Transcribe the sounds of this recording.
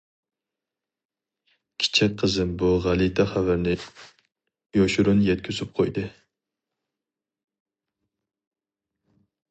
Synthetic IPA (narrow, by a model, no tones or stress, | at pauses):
kʲʰɪ̥t͡ʃʰɛk̚ʲqʰəzɨnbuʁælˠit̪ʰɛχævæɾnɪ | joʃuɾunjɛt̪̚kʲʰøzɪp̚qʰojd̪ɨ